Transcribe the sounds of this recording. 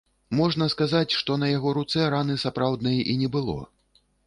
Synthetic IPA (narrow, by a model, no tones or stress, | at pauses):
mɔʐnɐskazat͡sʲʂt̪ɔnɐjaɣɔɾut̪sɛɾanɨsapɾawd̪nɐjɛʔinʲɛbɨlˠɔ̰